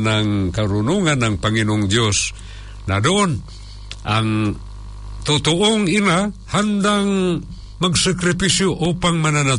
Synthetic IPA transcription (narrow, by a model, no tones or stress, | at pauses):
naŋkaɾʊnuŋanːaŋpaŋinoʊŋd̪jos | nadoʔon | ʔaŋ | t̪ʊt̪ʊʔoŋinahand̪aŋ | maɡsakɾɪpisjoʔupaŋmanana